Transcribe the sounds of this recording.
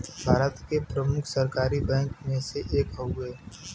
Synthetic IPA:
bʱaːɾət̪kepɾəmʊkʰsəɾkaːɾibɛ̃ːŋkmẽseʔeːkɦoɡəeː

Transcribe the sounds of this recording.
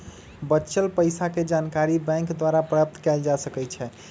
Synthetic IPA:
bəːʃəlpəɪsaked͡ʒankaɾibɛ̃ŋkd̪waɾapɾəəp̚t̪kɛld͡ʒasəkɛt͡ʃʰɛ

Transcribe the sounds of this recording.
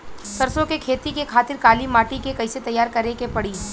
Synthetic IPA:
sɐɾsõkekʰeːt̪ikekʰaːt̪ɪɾkaːlimaːʈikekɐɪset̪ɐjːaːɾkɐɾekepɐɽiː

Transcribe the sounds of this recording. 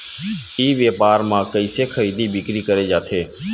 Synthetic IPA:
iːʋjeːpaːɾmãːkəɪseːkʰəɾiːd̪iːbɪkɾiːkəɾeːd͡ʒaːt̪ʰeː

